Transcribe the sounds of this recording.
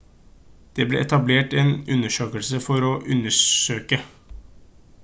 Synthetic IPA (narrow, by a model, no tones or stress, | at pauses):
d̪̥eːblḛːʔɛt̪ɑbleːʈeːnʉnːəʂøːkəlsəfɔɾɔːʔʉnːəʂøːkə